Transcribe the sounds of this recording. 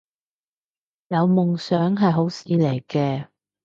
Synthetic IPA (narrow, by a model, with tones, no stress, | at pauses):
jɐ˨˧wmʊ˨ŋsœː˨˥ŋɦɐ˨jɦo˨˥wsiː˨˧le˨˩jkɛː˧